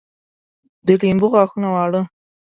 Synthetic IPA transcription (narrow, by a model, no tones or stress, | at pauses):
d̪əlimbuɣaxunawɑɽə